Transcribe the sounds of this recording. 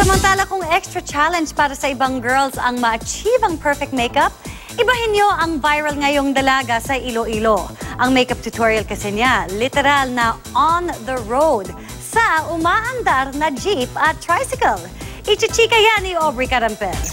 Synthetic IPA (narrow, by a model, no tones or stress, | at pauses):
sɐmɐnt̪aːlɐkʊŋɛkst̪ɹɐt͡ʃalɛnd͡ʒpaːɾɐsɐɪbaŋɡɛɹlsɐŋmɐɐt͡ʃiːvɐŋpʰɛɹfɛk̚t̪̚mejkɐp̚ | ʔɪbaʔɪnjo̞ʔɐŋvajɹɐlŋɐjo̞ŋd̪ɐlaːɡɐsɐʔiloʔiloʔɐŋmejkɐp̚t̪ʊt̪ʰoɹiɐlkɐsɛnjalːɪt̪ɛɾalnɐʔonðɐɹowd̪ | sɐʊmaːʔɐnd̪aɾnɐd͡ʒipɐt̪ːɹajsɪkɐl | ʔɪt͡ʃɪt͡ʃikɐjaniʔobɹikɐɾɐmpɛs